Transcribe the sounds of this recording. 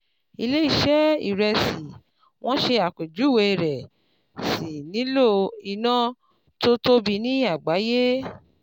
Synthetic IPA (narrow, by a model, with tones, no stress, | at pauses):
i˧le˦i˦˨ʃɛ˦ḭ˨ɾɛ˧si˨ | w̃ɔ̃˦ʃe˧a˨ke˨d͡ʒu˨˦˨we˧i˧ɾɛ˨ | si˨nĩ˨˦lo˦i˧nã˦ | to˦to˦bi˧˦nĩ˦a˨ɡ͡ba˨˦je˦